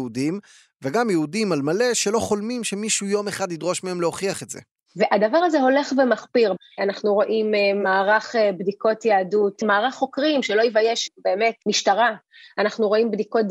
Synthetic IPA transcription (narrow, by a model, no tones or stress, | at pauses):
udim | veɡamjeudimalmale̞ʃe̞lo̞χo̞lmimʃemiʃujo̞meχadidʁo̞ʃmeemleo̞χiaχetze̞̰ | veʔad̪avaʁazeɦo̞le̞χvemaχpiʁ | anaχnuʁo̞ʔimmaːʁaχebdiko̞tjaadutmaːʁaχːo̞kʁimʃe̞lo̞ivajeʃbe̞ːme̞tmiʃtaʁa | anaχnuʁo̞imbdiko̞t̚